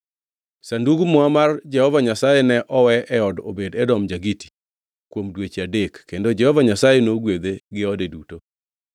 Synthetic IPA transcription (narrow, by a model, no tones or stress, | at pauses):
sanduɡmɔamard͡ʒɛhɔvaɲasajɛnɛʔɔwɛɛɔdo̰bedɛdɔmd͡ʒaɡiti̥ | kwomdwet͡ʃadekːendod͡ʒɛhɔvaɲasajenoɡwed̪eɡɪɔdeduto